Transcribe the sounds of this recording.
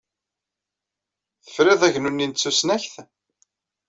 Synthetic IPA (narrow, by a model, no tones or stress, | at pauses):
θə̥fɾɪðˤæʝnunːint͡sːusnæçθ